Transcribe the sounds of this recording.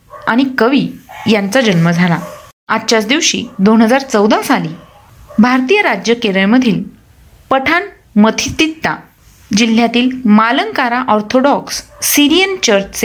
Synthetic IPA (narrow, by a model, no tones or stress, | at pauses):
aɽ̃ikəʋiːjant͡sad͡ʑənməd͡zʱala | at̪ːt͡ɕat͡sd̪iʋɕḭːd̪onɦəd͡zaɾt͡səwd̪asali | bʱaɾt̪ijəɾad͡ʑjəkeɾəɭməd̪ʱiːl | pəʈʰan | mət̪ʰit̪it̪ːa̰ | d͡ʑil̤ːjat̪iːlmaləŋkaɾaʔɔɾt̪ʰoɖɔksːiɾijənt͡ɕəɾt͡ɕt͡se